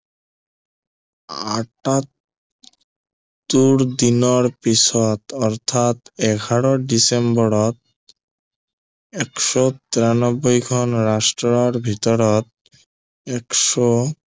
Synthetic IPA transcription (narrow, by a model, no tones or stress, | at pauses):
aʈat̪ | uɾd̪inɔɾpisɔt̪ɔɾt̪ʰat̪ɛɡʱaɾɔɖisembɔɾɔt̪̚ | ɛkʃɔt̪iɾanɔbːojɡʱɔnɾasʈɾɔɾbʱit̪ɔɾɔt̪̚ | ɛkʃɔ